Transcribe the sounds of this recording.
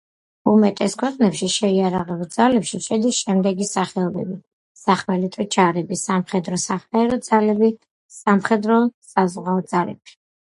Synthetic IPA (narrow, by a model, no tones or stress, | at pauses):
umɛt̪ʼɛskʰwɛqʼnɛpʃiʃɛiaɾaʁɛbd̪zalɛpʃiʃʰɛd̪isʃɛmd̪ɛɡisaχɛɔbɛbi | saχmɛlit̪ʼɔt͡ʃʰaɾɛbisamχɛd̪ɾɔsaχmɛːɾɔd̪z̥alɛbi | samχɛd̪ɾɔsazʁaɔd̪zalɛ̰pʰi̥